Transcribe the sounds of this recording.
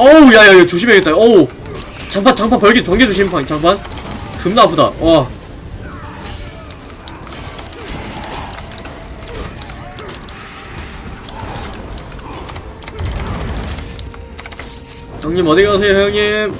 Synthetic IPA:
ojajaiot͡ɕoɕʰibeɡet͈ao | t͡ɕaŋpʰant͡ɕaŋpʰanpʌɭɡit͡ɕʌŋɡed͡ʑuɕ̬ʰinpʰaŋt͡ɕaŋpʰankɯmnapʰuda̰wʌ | hjʌŋɲimʌdiɡasʰehjŋɲim

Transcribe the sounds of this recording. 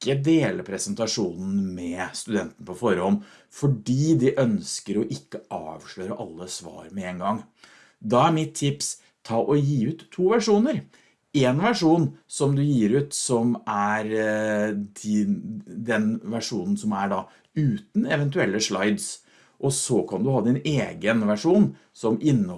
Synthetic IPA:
kːəd̪eːləpʰɾɛsənt̪ɑʂuːnn̩mɛst̪ʉd̪ɛnt̪n̩pʰɔfɔɾhɔn | fɔɖiːd̪ɪʔœnskəɾɔʔɪkːəɑ̰ːʋʂɭøːɾəʔɑlːəsʋɑ̰ːɾmɛeːŋɡɑŋː | d̪ɑæɾmɪt̪ʰːɪps | t̪ʰːɑːʔɔjiːʉːt̪ʰːuːʋæʂuːnəɾ | eːnʋæʂuːnsɔmd̪ʉjiːɾʉːt̪sɔmæɾ | d̪ɪd̪ɛnʋæʂuːnn̩sɔmæɖɑ | ʉːt̪n̩ɛʋɛnt̪ʉɛlːəʂlɑɪd̪s | ʔɔsɔkʰɑnd̪ʉhɑːd̪ɪneːɡənʋæʂuːn | sɔmʔɪnːə

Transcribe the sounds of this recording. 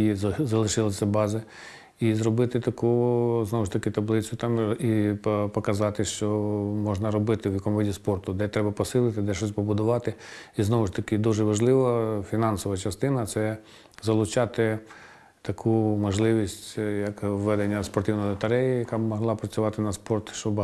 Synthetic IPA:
zɐlˠɪʃɪlˠɪsʲɐbɑzɪ | izrɔbɪt̪ɪt̪ɐkuznɔʋʊʂt̪ɐkɪt̪ɐblˠɪt͡sʲʊt̪ɑmipɔkɐzɑt̪ɪʃt͡ʃɔmɔʒnɐɾɔbɪt̪ɪwjɐkɔmɔʋʲidʲispɔrt̪ʊd̪ɛt̪ɾɛbɐpɔsɪlˠɪt̪ɪd̪ɛʃt͡ʃɔs̬ʲpɔbʊd̪ʊʋɑt̪ɪiznɔʋʊʂt̪ɐkɪd̪uʒɛʋɐʒlˠɪʋɐfʲinɑnsɔʋɐt͡ʃɐst̪ɪnɐt̪sɛ | zɐlˠʊt͡ʃɑt̪ɪ | t̪ɐkʰumɔʒlˠɪʋʲisʲtʲjɐkʋːɛd̪enʲːɐspɔrt̪ʲiwnɔjɔt̪ɐɾɛjijɐkɑbmɔɦlˠɑpɾɐt͡sʲʊʋɑt̪ɪnɐspɔrt̪ʃt͡ʃɔb

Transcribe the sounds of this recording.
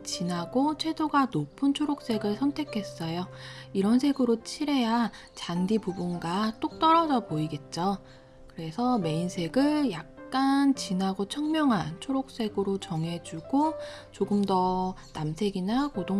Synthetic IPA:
t͡ɕinaɡot͡ɕʰwe̞doɡanopʰɯnt͡ɕʰoɾok̚s͈e̞ɡɯɭsʰʌntʰe̞kʰe̞s͈ʌjoiɾʌnsʰe̞ɡɯɾot͡ɕʰiɾe̞ja | t͡ɕandipubunɡat͈ok̚t͈ʌɾʌd͡ʑʌboiɡe̞t̚t͡ɕ͈o | kɯɾe̞sʰʌme̞insʰe̞ɡɯɭjak̚k͈ant͡ɕinaɡot͡ɕʰʌŋmjʌŋɦant͡ɕʰoɾok̚s͈e̞ɡɯɾot͡ɕʌŋɦe̞d͡ʑuɡ̥ot͡ɕoɡɯmdʌnamsʰe̞ɡinakodo

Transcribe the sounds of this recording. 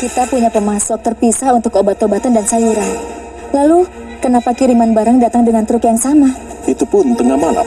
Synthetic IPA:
kit̪apuɲapəmasɔk̚t̪ərpisahunt̪ʊkobat̪obat̪əndansaiɾan | lalu | kənapakiɾimanbaɾəŋdat̪aŋdəŋant̪ɾukjaŋsama | it̪upʊnt̪əŋamala̰

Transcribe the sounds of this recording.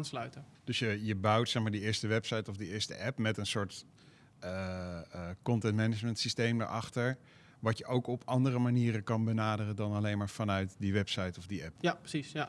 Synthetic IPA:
anslœɥtəd̥ɵsjəjəbɑwtsɛχmaːɹdiɪːɹstəʋɛpsɑjtɔvdiɪːɹstə̰ʔɛpmɛtənsʊːɹt | ə | kɔntɛntmɛnəd͡ʒməntsistejmdə̰ɹʔɑχtəɹ | ʋɑtjəʔowkɔpʰɑndərəmaniːɾəkɑnbənaːdərədɑnalejnmaːɹfɑnœɥtdiʋɛpsɑjtɔvdiʔɛppsisa

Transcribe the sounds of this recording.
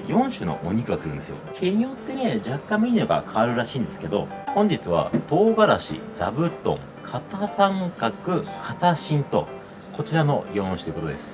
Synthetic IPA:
jõ̞ɰ̃ɕɨno̞̰ʔo̰ɲ̟ikɯ̟ɡakɯ̟ɾɯ̟nesɨjo̰kʲʰeɲ̟ijo̞t̪ːe̞ne̞d͡ʑakːãmmʲiɲʲːoɡa̰kʰaβaɾɯ̟ɾaɕĩːnd̪e̞sɨ̥ked̪o̞̰hõ̞ɲ̟d͡ʑit͡sɨβ̞a̰t̪o̞ːɡaɾaɕḭd͡zabɯ̟t̪õ̞̰ŋ | kʰat̪asãŋkakɯ̟kʰat̪aɕĩnt̪o̞̰ | ko̞t͡ɕiɾano̞jõ̞ɰ̃ɕɨ̥t̪oiɯkot̪od̪esɨ̥

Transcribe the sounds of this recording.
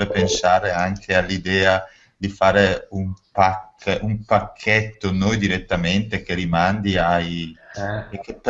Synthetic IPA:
epensaːɾeaŋkʰealːid̪ɛːa | d̪ifaːɾeumpakːʔumpakʰːɛt̪ːonojd̪iɾet̪ːament̪ek̟eɾimand̪iaj | kp

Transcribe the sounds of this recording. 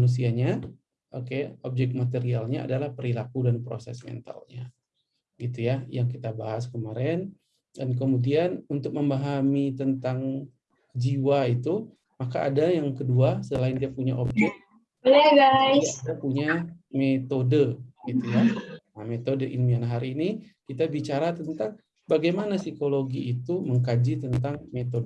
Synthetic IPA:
manus̬iaɲa | ʔokeop̚d͡ʒɛk̚t̪̚mat̪eɾialɲaa̰dalahpəɾilakudanpɾo̰sɛ̰smɛ̰nt̪a̰lɲa | ɡit̪ujajaŋkit̪abaɦaskəmaɾɛn | dank̬əmudianunt̪ʊk̚məmbaɦamit̪ənt̪aŋ | d͡ʒiwait̪u | maka̰ʔːdajaŋkəduasəlaɪndiapuɲaʔokɛ | olɛɡaidapuɲamet̪odəɡ̥it̪ujanamet̪odəʔinmianɦaɾiːni | kit̪abit͡ʃaɾat̪ənt̪aŋ | baɡajmanasikoloɡiːt̪uməŋkad͡ʒit̪ənt̪aŋmet̪odə

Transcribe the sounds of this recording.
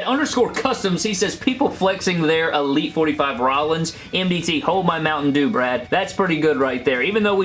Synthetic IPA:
ɾʌ̃ndə˞skɔɹkʰʌstə̃mz̥hisɛz̥pʰipl̩ˠflɛksɪ̃ŋðə˞ʔəlitfɔɹɾifaɪvɹɑlˠə̃nz̥ | ɛ̃mbitʰihoʊl̚ˠmaɪmãʊ̃nʔn̩dʉbɹæd̪̚ðætspʰɹ̥ɪɾiɡʊd̚ɹaɪt̪̚ðə˞ivɨ̃nðoʊwi

